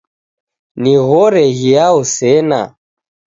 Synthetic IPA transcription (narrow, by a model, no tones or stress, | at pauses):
niɣɔɾɛɣiausɛna̰